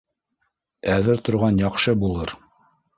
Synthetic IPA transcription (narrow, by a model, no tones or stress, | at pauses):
æðɘɾt̪ŏɾʁɑnjɑqʃɤbulˠɤɾ